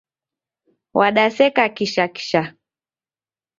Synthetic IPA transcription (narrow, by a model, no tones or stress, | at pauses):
wʔaɗasɛkakiʃaki̥ʃa